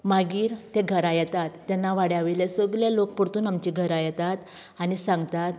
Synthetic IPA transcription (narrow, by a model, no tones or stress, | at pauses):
maɡiːɾt̪eɡʱəɾajɛt̪at̪ːɛnːaʋaɽjaʋilesəɡlalok̚puɾt̪uːnamt͡ɕiɡʱəɾajɛt̪at̪ | anisãŋɡt̪at̪